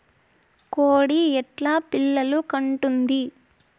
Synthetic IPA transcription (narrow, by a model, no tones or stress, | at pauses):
koːɽiɛʈlaːpilːɐlukɐɳʈund̪i